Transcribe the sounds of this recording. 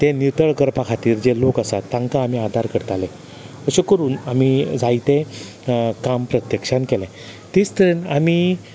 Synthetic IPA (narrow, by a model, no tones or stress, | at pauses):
t̪ẽniɾt̪əɭkəɾpakʰat̪iːɾd͡ʑelokəsat̪ːãŋkaːmiːad̪ʱaɾkəɽt̪alẽ | əɕekəɾuːnamid͡zait̪ẽ | kampɾət̪jəkʂãnkelɛ̃ | t̪ĩst̪əɾinami